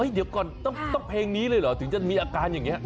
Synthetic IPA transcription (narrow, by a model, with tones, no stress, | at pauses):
əː˨˦jɗi˨˩˦w̚kɔ˨˩nt̪ə˦˥p̚t̪ə˦˥k͡p̚hɛ˧ŋni˨˦lə˧lɔ˨˩t̪ʰɨ˨˩˦ŋzə˧nmḭ˧˨ʔa˧˩kaː˧ɲɨ˨˩ŋ˨˦˨